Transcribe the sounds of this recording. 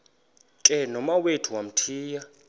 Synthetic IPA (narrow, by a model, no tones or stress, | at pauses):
kʼɛnɔmawetʰuwam̩tʰiːja